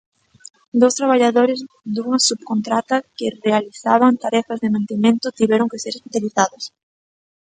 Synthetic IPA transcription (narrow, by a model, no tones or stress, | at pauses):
d̪owst̪ɾaβaʎaðoɾɪz | d̪uŋɐsubkont̪ɾat̪ɐkɪrealiθa̰βant̪aɾɛfazðemãnt̪emẽnt̪ʊt̪iβɛɾʊŋkɪseɾespiθaliθaðʊs